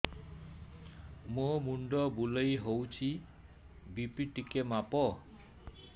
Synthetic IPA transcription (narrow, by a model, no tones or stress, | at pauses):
momuɳɖɔbulejɦowt͡ʃʰi | bipiʈikemapɔ